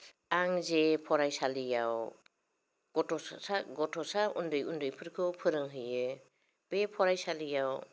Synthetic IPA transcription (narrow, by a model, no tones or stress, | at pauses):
aŋzepʰɔɾajsalijaw | ɡ̥ɔtɔsaɡɔtʰɔsaʔundɯjundɯjpʰɯɾkʰɯpʰɯɾɯŋɦɯjɯ | b̥epʰɔɾajsalijaw